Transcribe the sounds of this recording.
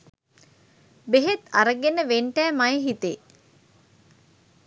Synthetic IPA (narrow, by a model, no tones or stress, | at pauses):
beɦet̪aɾəɡenəʋeɳʈæːmajəɦit̪e